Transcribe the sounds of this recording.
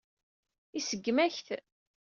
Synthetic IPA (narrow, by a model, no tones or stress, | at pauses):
isəɡːmæçθ